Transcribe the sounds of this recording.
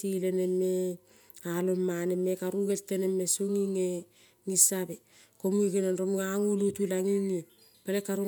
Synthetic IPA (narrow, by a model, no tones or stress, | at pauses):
tileneme | alomanemekaɾuɡeltːenemesoŋiŋe | ŋisabe | komueɡenanɾomŋaŋulutilaŋiŋo | palekːaɾu